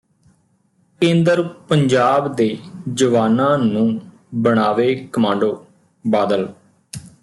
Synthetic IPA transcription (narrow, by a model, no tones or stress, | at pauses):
kẽːnd̪əɾpəɲd͡ʒaːbd̪eːd͡ʒəʋaːnãːnũː | bəɳaːʋeːkəmãːɳɖoː | baːd̪əl